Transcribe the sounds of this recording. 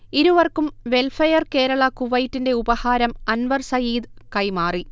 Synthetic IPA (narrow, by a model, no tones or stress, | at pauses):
iɾuʋɐrkumʋe̞lfɐjɐrke̞ːɾɐɭɐkuʋɐjtːinde̞ubɐhaːɾɐmɐnʋɐrsɐjiːd̪kɐjmaːri